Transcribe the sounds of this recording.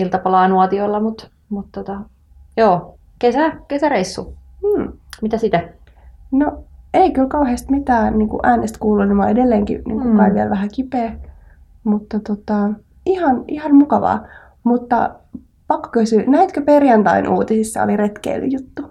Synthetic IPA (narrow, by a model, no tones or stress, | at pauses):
ilt̪ɑpɑlɑːnuot̪iolːɑmut̪ | mut̪t̪ot̪ɑ | joː | kesækesæreisːṵm̩ːmit̪æsit̪æ | noeikylkɑuheːst̪mit̪æːniːŋkṵʔæːnest̪kuːlulimɑ̰edelːeːŋkḭnḭːŋkukɑiʋiælʋæhækipeː | mut̪ːɑt̪ot̪ɑ | ihɑnihɑnmukɑʋɑ̰ː | mut̪ːɑ̰ | pɑkːo̥køsynæit̪køperjɑnt̪ɑ̰inʔṵːt̪isisːɑ̰o̰liret̪kḛilːy̰jut̪ːu